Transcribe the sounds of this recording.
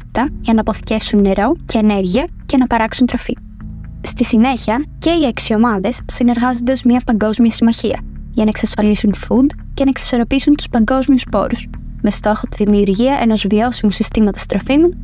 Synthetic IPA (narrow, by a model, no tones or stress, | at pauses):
i̥t̪ɐʝɐnɐːpo̞θi̥ce̞fsunːe̞ɾo̞ce̞ːne̞ɾʝiɐ | ce̞nɐpɐɾɐksunt̪ɾo̞fi | st̪isine̞çiɐce̞ieksio̞mɐðe̞sːine̞ɾɣɐzo̞nd̪eozmɲɐpɐŋɡo̞zmiɐsimɐçiɐ̰ | ʝɐnɐeksɐsfɐlisunt̪u̥fund̪ | ce̞nɐeksi̥so̞ɾo̞pisunt̪u̥spɐŋɡo̞zmiuspo̞̰ɾus | me̞st̪o̞xo̞t̪iðimiuɾʝiɐʔe̞no̞zvio̞simusist̪imɐt̪ɐst̪ɾo̞fimun